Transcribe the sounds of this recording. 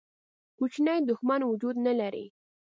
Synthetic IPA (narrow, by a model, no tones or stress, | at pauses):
kut͡ʃnajd̪ʊxmanwʊd͡ʒud̪nalaɾḭ